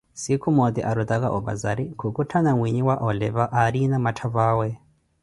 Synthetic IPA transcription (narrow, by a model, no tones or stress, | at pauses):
sikʰumɔt̪iʔaɾut̪aka̰ʔɔβa̰zaɾikʰukutʰanaŋwiɲiwaʔɔlɛβaʔaɾinamatʰaβaːwɛ